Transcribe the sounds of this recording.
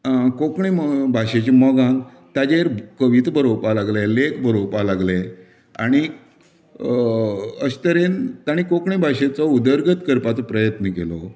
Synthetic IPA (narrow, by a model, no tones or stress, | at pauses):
kokɳimbʱaɕet͡ɕemɔɡãn | t̪ad͡ʑeɾkəʋit̪bʱəɾopalaɡlelekbʱəɾopalaɡle | a̰ɽ̃i | əɕt̪əɾent̪aɽ̃ikokɳibʱaɕet͡sɔud̪əɾɡət̪kəɾpat͡sɔpɾəjət̪nəkelɔ